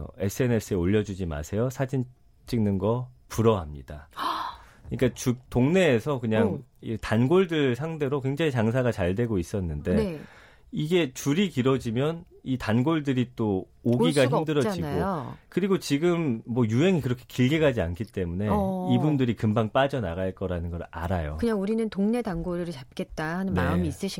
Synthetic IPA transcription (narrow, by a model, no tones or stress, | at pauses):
e̞s͈ʰɯe̞ne̞sʰɯeoʎːʌd͡ʑud͡ʑima̰sʰe̞josʰad͡ʑin | t͡ɕ͈iŋnɯnɡʌpuɾʌɦamɲḭd̥a̰ | ɯɲik͈at͡ɕuk̚toŋne̞ːsʰʌkɯɲaŋitanɡoɭdɯɭsʰaŋde̞ɾokwe̞ŋd͡ʑaŋit͡ɕaŋsʰaɡat͡ɕaɭde̞ɡois͈ʌnːɯnde̞ | iɡe̞t͡ɕuɾikiɾʌd͡ʑimjʌn | itanɡoɭdɯɾit͈o | oɡiɡaçʰimdɯɾʌd͡ʑinaɡjookɯɾiɡot͡ɕiɡɯmːwʌjuɦe̞ŋikɯɾʌkʰe̞kiɭɡeɡad͡ʑia̰nkʰit͈e̞mune̞ibundɯɾikɯmbaŋp͈ad͡ʑʌnaɣaɭk͈ʌɾanɯnɡʌɾa̰ɾajo̰kɯɲaŋuɾinɯntoŋne̞tanɡoɾɯɾɯt͡ɕap̚k͈e̞t̚t͈ahanɯnmamiːs͈ɯɕʰi